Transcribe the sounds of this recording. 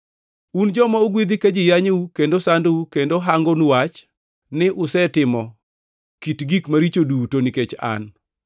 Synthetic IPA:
und͡ʒɔmaʊɡwid̪ɪkad͡ʒɪjaɲukendosandukendoɦaŋɡonuwat͡ʃ | nɪʔʊsɛtɪmɔ | kitɡikmaɾit͡ʃodutoniket͡ʃa̰n

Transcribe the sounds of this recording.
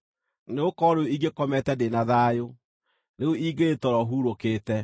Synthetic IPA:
neokɔɾeoiɡekɔmɛtɛndenaðaːjo | neoʔiɡeetɔɾɔɦuɾokeːtɛ

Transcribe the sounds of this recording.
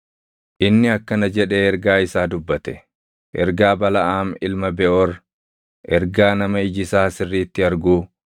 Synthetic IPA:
ʔɪnːɪɐkːɐnɐd͡ʒɛᶑe̞ːɛɾɡaːɪsaːd̪ʊbːɐt̪ɛ̥ | ʔɛ̰ɾɡaːbɐlɐʔaːmɪlmɐbɛʔɔɾ | ʔɛɾɡaːnɐmɐɪd͡ʒɪsaːsɪrːiːt̪ːɪɐɾɡuː

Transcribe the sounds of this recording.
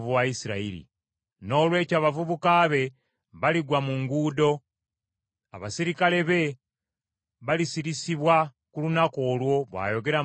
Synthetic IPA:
vuwaisiɾaiɾḭ | no̞ːlwe̞ːcaːβavuβukaːβe̞ | βaliɡwamuŋɡuːdo̞ | a̰βasiɾikale̞βe̞ | βalisiɾisiβwa | kulunako̞ːlwo̞βwa̰ːjo̞ɡe̞ɾa

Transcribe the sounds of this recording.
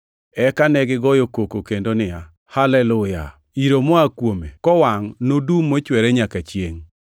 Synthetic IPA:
ɛkanɛɡɪɡɔjokokokendonɪa | halɛlʊja̰ | iɾomɔakwomḛkɔwaŋnodumːot͡ʃwɛɾɛɲakat͡ʃjeŋ

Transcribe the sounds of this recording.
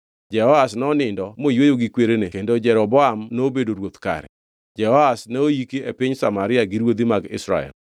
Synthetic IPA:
d͡ʒɛhɔasnɔnɪndɔmojwojoɡikweɾenekendod͡ʒɛɾɔbɔamnoːbedoɾwot̪ka̰ɾɛ̰ | d͡ʒɛhɔasnaojikeepɪɲsamaɾɪaɡiɾwod̪imaɡɪ̰sɾa̰ɛ̰l

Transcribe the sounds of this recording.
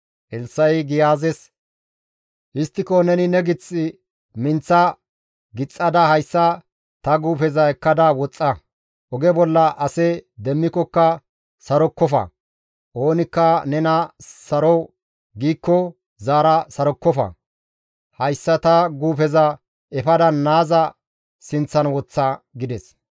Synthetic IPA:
ʔɛlsːɐjɡɪjaːzɛs | ʔɪst̪ːɪkɔnɛnɪnɛɡɪt͡sʼːɪ | mɪnt͡sːɐ | ɡɪt͡sʼːɐd̪ɐhɐjsːɐ | t̪ɐɡuːfɛzɐɛkːɐd̪ɐwɔt͡sʼːɐ | ʔɔɡɛbɔlːɐʔɐsɛd̪ɛmːɪkɔkːɐ | sɐɾɔkːɔfɐ̰ | ʔo̞ːnɪkːɐnɛnɐsɐɾɔ | ɡiːkːɔ | zaːɾɐsɐɾɔkːɔfɐ̰ | hɐjsːɐt̪ɐɡuːfɛzɐ | ɛfɐd̪ɐnːaːzɐ | sɪnt͡sːɐnwɔt͡sːɐɡɪd̪ɛs

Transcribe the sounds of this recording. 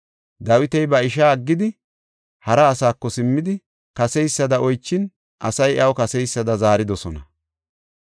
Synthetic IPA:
d̪ɐwɪt̪ɛjbɐɪʃ̬aːɡːɪd̪ɪ | hɐɾɐːsaːkːɔsɪmːɪd̪ɪ | kɐsɛjsːɐd̪ɐʔɔjt͡ʃːɪn | ʔɐsɐjʔɐwkɐsɛjsːɐd̪ɐzaːɾɪd̪ɔsɔnɐ̰

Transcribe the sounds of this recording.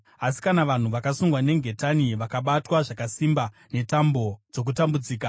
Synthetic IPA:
asi̥kanaʋan̤uʋakasuŋɡwane̞ŋɡʱe̞taniʋakaɓatwaʐakasimba | ne̞tambo̞d͡zo̞k̬utambud͡ziːka

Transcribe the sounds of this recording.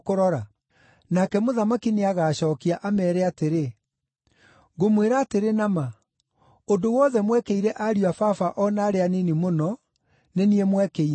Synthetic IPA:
koɾɔɾa | nakɛmoðamakineaɣaːɕɔːkiaʔamɛːɾɛateɾe | ɡomweɾaːteɾenama | odowɔðɛmwɛkeiɾɛʔaɾiafafaʔɔnaːɾeaninimonɔ | neniɛmwɛke

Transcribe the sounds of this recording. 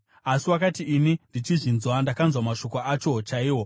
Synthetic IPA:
asiwakatiʔːnindit͡ʃiʐinzwandakanzwamaʃo̞koat͡ʃo̞t͡ʃaiːwo̞

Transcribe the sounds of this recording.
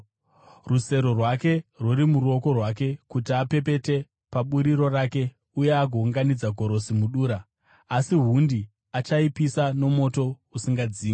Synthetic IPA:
ruse̞ɾo̞rwake̞rwoɾimuɾuo̞ko̞rwak̬e̞kutiape̞pe̞te̞ | paɓuɾiro̞raːke̞ | ujeaɡʱouŋɡanid͡zaɡʱo̞ɾo̞simuɗuːɾaː | siɦundi | at͡ʃaipisano̞mo̞to̞ | usiŋɡad͡ziːmi

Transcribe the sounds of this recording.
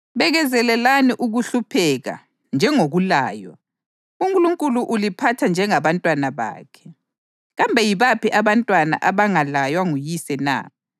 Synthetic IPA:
βɛɣɛzɛlɛlaniʔuɣuɬupʰɛɣa̰ | nd͡ʒʱɛŋoɣula̰ːjwa̰ | uŋkʼuluŋkʼuluʔulipʰatʰand͡ʒʱɛŋaβantʼwanaβa̰ːkʰɛ̥ | ɣambʱɛjiβapiʔaβantʼwana̰ʔaβaŋalajwaŋujisɛna̰

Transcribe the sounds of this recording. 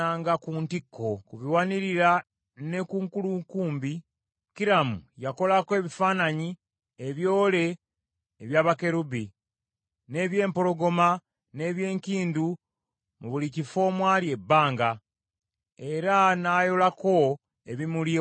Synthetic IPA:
aːŋɡakuːntikʰːo̞kuβiwaniɾiɾa | ne̞kuːŋkuluŋkuːmbi | ciɾamṵjako̞lakwe̞βifaːnaɲi | eβjo̞ːle̞ː | βjaːβake̞ɾubi | ne̞ːβje̞ːmpo̞lo̞ɡo̞ma | ne̞ːβje̞ːŋkiːndu | muβulicifo̞ːmwaːlie̞bːaːŋɡa | e̞ɾanaːjo̞lako̞ | eβimuli

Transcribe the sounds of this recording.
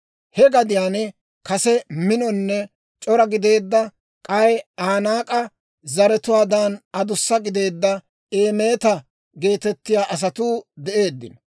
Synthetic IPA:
hɛɡɐd̪ɪjaːnɛ | kɐsɛmɪnɔnːɛ | t͡ʃʼɔɾɐɡɪd̪e̞ːd̪ːɐ | kʼɐjaːnaːkʼɐ | zɐɾɛt̪ʊwaːd̪anɐd̪ʊsːɐɡɪd̪e̞ːd̪ːɐ | eːme̞ːt̪ɐ | ɡe̞ːt̪ɛt̪ːɪjaːʔɐs̬ɐt̪uːd̪ɛʔe̞ːd̪ːɪ̰n

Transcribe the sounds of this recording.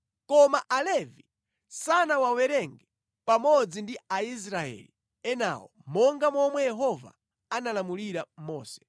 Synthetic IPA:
kɔmaʔalɛvi | sanawawɛɾɛŋɡɛ | pamɔd͡zindiais̬ɾaɛ̰li | ɛna̰wɔ̰mɔŋɡamɔmwɛjɛɦɔva̰ | analamuliɾamɔːsɛ̥

